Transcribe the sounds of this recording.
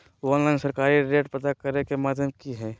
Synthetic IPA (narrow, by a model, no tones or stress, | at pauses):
ɔːnlaɪnsəɾkaːɾiɾeːʈpɐt̪akɐɾekemaːd̪ʱjəmkiɦɛː